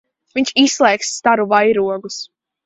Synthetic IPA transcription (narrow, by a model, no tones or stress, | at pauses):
viɲʲt͡ʃisslˠɛːksːt̪aɾuvajɾuɔɡus